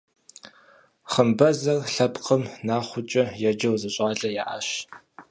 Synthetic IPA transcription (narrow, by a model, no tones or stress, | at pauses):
χəmbɐzɐrɬɐpqəmnaːχʷʊt͡ʃʼɐjɛd͡ʒɐwzɨɕʼaːɮʼɐjaːʔa̰ɕ